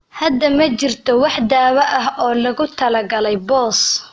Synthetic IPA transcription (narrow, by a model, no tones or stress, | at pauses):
hɐd̪ːɐmɐt͡ʃɪrt̪ʰɔwɑħd̪aːwɐʔɐɦɔːlɐɣʊt̪ʰɐlɐɡɐlɛjbɔːs